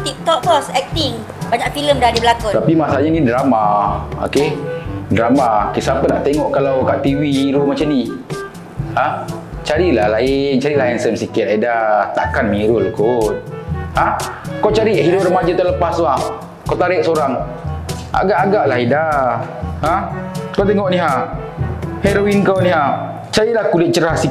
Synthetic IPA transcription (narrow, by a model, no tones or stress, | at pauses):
t̪ik̚t̪ɔʔt̪ɔsɛk̚t̪iŋ | baɲaʔfiləmdadibəlakut̪apimasaaʔɲanidɾamao̰kedɾamakisapənaʔt̪eŋɔʔkalawkaʔt̪iwihiɾumat͡ʃamni | hat͡ʃaɾilahlaɪnt͡ʃaɾilahansəmsikit̪̚aidat̪a̰ʔkanmiɾʊlkoʔhakoʔt͡ʃaɾiɦiɾʊp̚rəmad͡ʒat̪aləpassua | kot̪aɾɪʔsoɾaŋ | a̰ɡaʔaɡaʔlaɦida | hakot̪eŋɔʔniɦa | hɛɾoinkawniɦa | t͡ʃaɾilahkulɪt̪̚t͡ʃəɾahsi